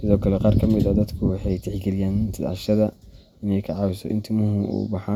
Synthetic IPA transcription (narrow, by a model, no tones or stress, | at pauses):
sɪðɔːkʰɐlɛqɑːɾkʰɐmɪd̪ɐd̪ɐd̪kʰʊwɑħɑjt̪ʰɪħɡɛlɪjaːnt̪ʰɪd̪ʕɑ̰ʃɐðɐ | ɪnɛjkʰɐʕɑːwɪsɔ̰ʔɪ̰nt̪ʰɪmʊhʊʔṵːbɑħaː